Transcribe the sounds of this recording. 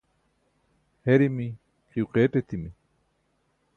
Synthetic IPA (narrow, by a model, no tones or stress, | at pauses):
heɾimi | qʰiuqeʈet̪imi